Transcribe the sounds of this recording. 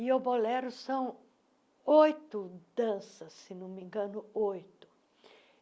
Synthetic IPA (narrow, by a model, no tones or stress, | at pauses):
iobolɛɾʊsɐ̃w̃ | ojt̪ʊd̪̥ɐ̃sɐsːɪnõmĩɡɐ̃nʊojt̪ʊ̥